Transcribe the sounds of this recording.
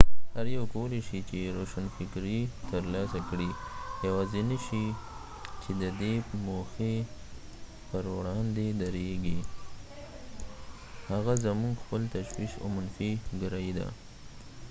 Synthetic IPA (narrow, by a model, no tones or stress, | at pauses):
haɾjawkawəleʃit͡ʃeɾoʃanfɪkɾit̪əɾlɑsakɽijawɑzinaʃi | t͡ʃed̪əd̪emoxe | pəɾwɽɑnd̪ed̪aɾeɡi | haɣazamuŋɡxpəlt̪aʃwiʃo̰manfiɡəɾɑjid̪a̰